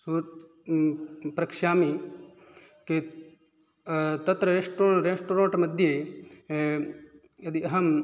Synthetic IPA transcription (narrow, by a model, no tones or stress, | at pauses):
suɾ | pɾɐkʃaːmi | ke | t̪ɐt̪ɾɐɾesʈoɾesʈuːɾãːɳʈmɐd̪ʱje | jɐd̪iɐɦɐm